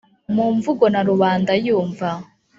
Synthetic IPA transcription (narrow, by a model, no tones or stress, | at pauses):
muːɱvuɡo̞naɾuβaːndajuːɱva